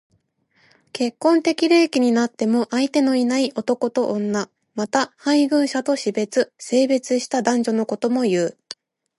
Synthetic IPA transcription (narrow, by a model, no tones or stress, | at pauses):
ke̞kːõ̞nt̪e̞kʲiɾɯːkʲiɲ̟inat̪ːe̞mo̞ʔait̪e̞no̞inaiʔo̞t̪o̞ko̞t̪o̞ʔõnːa | mat̪ahãiɡɯ̟̃ɰ̃ɕat̪o̞ɕibe̞t͡sɨse̞ːbe̞t͡sɨɕi̥t̪ad̪ãɲ̟d͡ʑo̞no̞ko̞t̪o̞mo̞jɯː